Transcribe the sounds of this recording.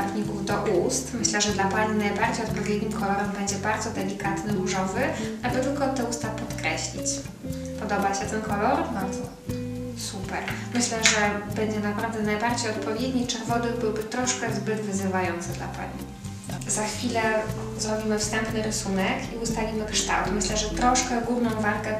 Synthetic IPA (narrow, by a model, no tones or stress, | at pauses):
t̪ɲikuvd̪ɔʔust̪mɘɕlɛʐɛd̪lapaɲinajbaɾd͡ʑejɔt̪̚pɔvʲjed̪ɲimkʰɔlɔɾɛmbɛɲd͡ʑɛbaɾd̪zɔd̪ɛlʲikat̪nɘluʐɔvɘabɘt̪ɘlkɔt̪ːɛust̪apɔt̪kɾɛɕlʲḭt͡ɕ | pɔd̪ɔbaɕɛt̪ɛnkɔlɔɾbad̪zɔ | supɛɾmɘɕlɛʐɛbɛɲd͡ʑɛnapɾavd̪ɛnajbaɾd͡ʑejɔt̪̚pɔvʲjed̪ɲit͡ʂɛɾvɔd̪ɨbɘwbɘt̪ɾɔʂkɛzbɘɡ̪vɘzɘvajɔnt̪sɘd̪la̰pa̰ɲḭ | zaxfʲilɛ | zɾɔbʲimɘfst̪ɛmpnɘɾɘsunɛkiust̪alʲimɘkʂt̪a̰wt̪mɘɕlɛʐɛt̪ɾɔʂkɛɡuvnɔ̃w̃valkɛ